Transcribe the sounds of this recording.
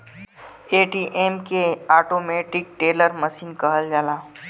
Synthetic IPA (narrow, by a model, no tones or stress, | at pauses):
eːʈiːʔemkeaːʈoːmeːʈɪk̚ʈeːləɾməʃiːnkəɦəld͡ʒaːlaː